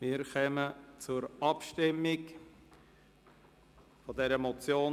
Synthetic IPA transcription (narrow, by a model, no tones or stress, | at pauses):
mɪːɾχɛmət͡sʊɾɑpʃtɪmːɪk | fɔd̪ɛɾəmɔt͡sjoː